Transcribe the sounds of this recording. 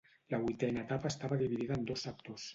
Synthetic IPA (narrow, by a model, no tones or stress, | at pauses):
ləβuit̪ɛnaet̪apaːst̪aβaðiβiðiðənd̪ozak̚t̪os